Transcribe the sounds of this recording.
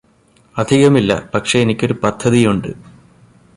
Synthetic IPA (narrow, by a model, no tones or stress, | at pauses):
ɐd̪ʱiɣɐmilːɐ̰pɐkʂe̞enikʲːo̞ɾupɐd̪ʱːɐðijuɳɖɨ̰